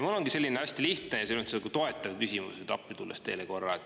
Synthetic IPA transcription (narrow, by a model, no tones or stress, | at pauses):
mulːo̞ŋɡise̞lʲːineɑsʲt̪iliht̪nejɑseot̪selkut̪o̞e̞t̪ːˑɑvkysʲimṵset̪ɑ̰pːˑit̪ulːest̪e̞̰ːleko̞rːɑett̪